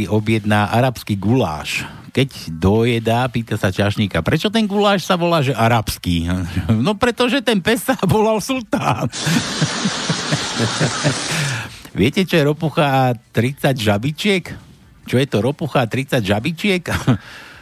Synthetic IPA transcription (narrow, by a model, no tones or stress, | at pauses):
iʔɔbɪjɛd̪naʔaɾapskiːɡula̰ːʃ | kɛɟd̪ɔjɛd̪apiːt̪asat͡ʃaʃɲikapɾɛt͡ʃɔt̪ɛnɡulaːʃsaʋɔlaːʒɛʔaɾapskiːnɔpɾɛt̪ɔʒɛt̪ɛnpɛsabɔlalsult̪aːn | ʋɪɛcɛt͡ʃɔjɛɾɔpuxaːt̪ɾit͡saɟʒabit͡ʃɪɛk | t͡ʃɔjɛt̪ɔɾɔpuxat̪ɾit͡saɟʒabit͡ʃɪɛk